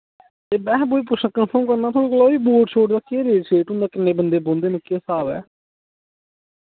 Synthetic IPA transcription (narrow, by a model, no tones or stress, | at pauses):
t̪eːbɛ̃ːɦboːiːpʊʃnãːkənpʰəɾmkəɾnãːt̪ʰoːɽeːkoːloːiːboːʈt͡ʃʰoːʈd̪aːkeːɾeːt͡ʃʰeːʈʊ̃nd̪aːkɪnːeːbənd̪eːbõːnd̪eːnɪkːesaːbɛ̰ː